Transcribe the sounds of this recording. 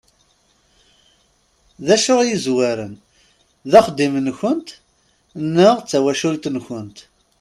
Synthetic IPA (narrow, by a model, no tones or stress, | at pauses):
ðæʃʊʁjizwæɾən | ðæχd̪ːimənçənt̪ | nːəʁt͡sːæwæʃult̪nçənt̪